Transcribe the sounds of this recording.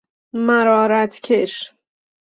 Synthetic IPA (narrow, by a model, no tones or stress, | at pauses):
mæɾɒːɾæt̪ʰkʲʰeʃ